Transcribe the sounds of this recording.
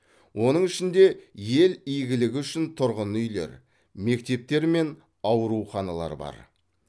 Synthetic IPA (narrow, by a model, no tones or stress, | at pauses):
wʔo̞nəɴɪʃɪnd̪e̞je̞lijɡʲɪlɪɡʲɪʏʃɪnt̪ʰʊɾʁənʏjle̞̰ɾ | me̞k̚t̪e̞p̚t̪e̞ɾme̞n | ɑwɾuχɑnɑlˠɑ̰ɾbɑ̰ɾ